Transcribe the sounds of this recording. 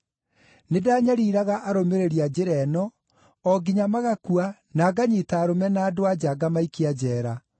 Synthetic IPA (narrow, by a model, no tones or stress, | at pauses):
nedaːɲaɾiːɾaɣaʔaɾomeɾeɾiad͡ʑeɾɛnɔ | ɔɡiɲamaɣakua | naːɡaɲitaːɾomɛnaːdoad͡ʑaɡamaikiad͡ʑɛːɾa